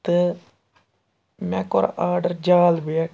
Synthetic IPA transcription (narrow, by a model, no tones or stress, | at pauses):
t̪ə | mɛ̃ːkoːɾaːɾɖəɾd͡ʒaːlbea